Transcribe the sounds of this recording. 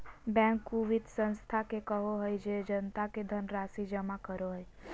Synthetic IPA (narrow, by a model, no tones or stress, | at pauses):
bɛ̃ŋkːuʋid̪sə̃nst̪ʰakekəɦoɦəjd͡ʒed͡ʒənt̪aked̪ʱənɾasid͡ʒəmãkəɾoɦɔj